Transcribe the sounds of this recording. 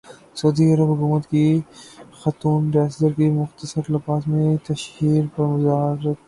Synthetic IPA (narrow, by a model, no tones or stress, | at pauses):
sɐːd̪iɐɾəbɦʊkuːmət̪ki | xɐt̪uːnɖaːsd̪əɾkimʊxt̪əsəɾlɐfaːsmẽt̪ɐʃhiːɾpɐɾmʊzaːɦɾət̪